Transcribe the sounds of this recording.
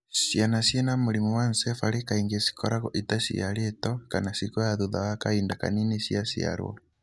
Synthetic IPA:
sjanasiɛnamuɾimuwansɛfaɾekaiŋɡesi̥kɔɾaɣɔʔitasḭaɾiɛtɔkanasikɔaðuðawakaindaka̰ninisiasia̰ɾwɔ̰

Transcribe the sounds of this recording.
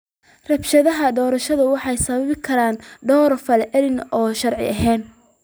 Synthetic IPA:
rɐbʃɐðɐɦɐd̪ɔːɾɐʃɐðʊwɑħɑjsɐβɐβɪkʰɐɾaːnɖ̪ɔːɾfɐlɛʕɛɾɪnʔɔːʃɐɾʕɪ̰ʔɐɦɛːn

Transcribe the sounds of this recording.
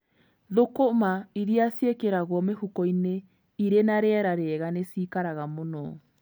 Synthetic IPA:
ðokomaiɾiasjekeɾaɣwɔmehukɔine | iɾenaɾeɛɾaɾeɛɣanesiːkaɾaɣamonɔː

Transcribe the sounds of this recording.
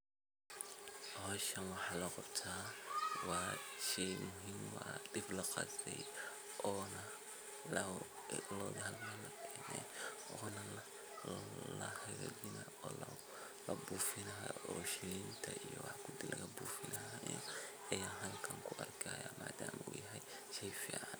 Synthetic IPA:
ɔːʃɐnwɑħɑːlɐqɑbt̪ʰaːwɑːʃɛːmʊɦiːmwɑ̰ːdɪblɐqɑ̰stɛj | ʔɔːnɐ | lɔːðɦɐlmɐlɐkʰɛːnɛj | ɔːnɐ | lɐhɛjɾɛ̰d͡ʒɪna | ɔːl | lɐbuːfɪnɐɦa̰ɔːʃɛɪnt̪ʰɐʔijɔ̰wɑħkʰʊd̪ɪlɐɣɐbuːfɪlɐɦaːʔijɔ | ɛjaːɦɐlkʰɐŋkʰʊʔɐrkʰɐːja̰ːmʔaːd̪aːmṵːjɐɦɛj | ʃɛjfḭːʕɑn

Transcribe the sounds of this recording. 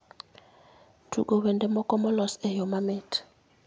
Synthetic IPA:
tʰṵkɔwɛndɛmɔkʼɔmɔlɔsɛjɔmamɛːtʰ

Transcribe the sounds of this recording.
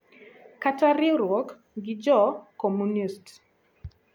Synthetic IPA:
kataɾɪɾwɔk | ɡɪd͡ʒɔkɔmunist

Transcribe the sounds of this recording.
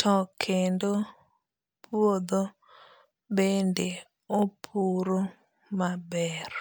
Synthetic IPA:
tʰɔkʰendo | pwod̪o | bende | opʰuɾo | mabɛr

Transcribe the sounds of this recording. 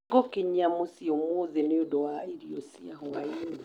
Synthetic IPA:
ɡokeɲamosiomoðeneodɔwaiɾiosiaɦɔain

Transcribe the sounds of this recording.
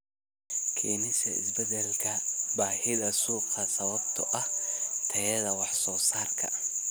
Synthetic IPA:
kʰiːnɪsɐɪ̰sbɛðɛlkʰɐbaːhɪðɐsuːqʰɐsɐβɐbt̪ʰɔʔɐht̪ʰɐjɐðɐwɑħsɔːsaːrkʰɐ̰

